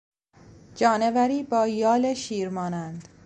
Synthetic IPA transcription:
d͡ʒɒːnevæɾiːbɒːjɒːleʃiːɾmɒːnænd̪

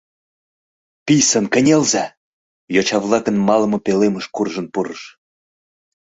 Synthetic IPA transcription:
pisənkə̆nʲelzɑ | jot͡ɕɑβlˠɑkənmɑlɤ̆mŏpeleməʃkurʒənpuɾəʃ

